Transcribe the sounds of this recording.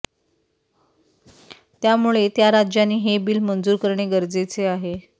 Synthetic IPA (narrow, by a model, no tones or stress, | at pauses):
t̪jamuɭet̪jaɾad͡ʑjaniːɦebiːlmənd͡zuːɾkəɾɳeɡəɾd͡zet͡seaɦe